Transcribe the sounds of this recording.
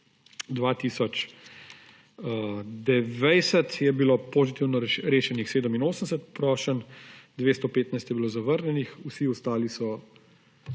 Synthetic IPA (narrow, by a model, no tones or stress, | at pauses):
d̪ʋaːt̪iːsɔt͡ʃ | d̪ɛʋɛjsɛt̪jɛbilopozit̪iwnɔɾeːʃɛnixseːd̪əminoːsənsət̪pɾɔːʃənd̪ʋeːst̪opeːt̪najst̪jɛbiloːzaʋəɾnʲjɛnixusiɔst̪aːlisɔ